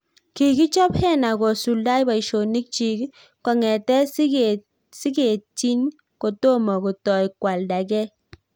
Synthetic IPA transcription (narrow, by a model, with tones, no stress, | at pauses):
ki˨ki˦t͡ʃɔ˦phɛ˦na˨ɡo˨su˨lda˦jba˨i˨ʃo˨ni˦k̚t͡ʃi˨k | kɔ˨ŋɛ˨tɛ˦sɡe˨ | si˦ke˨t͡ʃi˦n | ko˨to˦mɔ˨ko˨tɔ˨i˨kwa˨lda˨kɛ˦